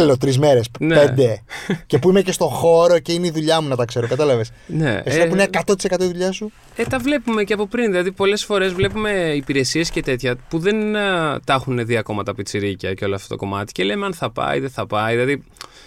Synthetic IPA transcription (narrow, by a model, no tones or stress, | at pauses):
lot̪ɾizmeɾesneed̪ece̞puimece̞st̪o̞xo̞ɾo̞ce̞ineiðuʎɐmunɐt̪ɐkse̞ɾokɐt̪ɐlɐvesne̞̰esipuinekɐt̪o̞t̪i̥se̞kɐt̪oiðuʎɐsu | et̪ɐvle̞pume̞ceɐpo̞pɾinðilɐðipo̞le̞sfo̞ɾe̞zvle̞pume̞ipiɾe̞sie̞sce̞t̪e̞t̪çɐpuðe̞nt̪ɐxuneðiɐko̞mɐt̪ɐpit͡siɾicɐceo̞loɐft̪o̥t̪ko̞̰mɐt̪i̥ce̞le̞meɐnθɐpɐ̰ḭðeθɐpɐjðilɐði